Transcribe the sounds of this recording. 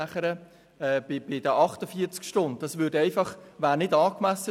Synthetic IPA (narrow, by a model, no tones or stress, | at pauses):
æχəɾə | ɛːb̥ɪb̥ɪd̥əʔɑχtəfiəɾt͡skʃtʊndd̥ɑsʋʏːdɛɪfɑχʋæːɾnɪdɑːkmæsːə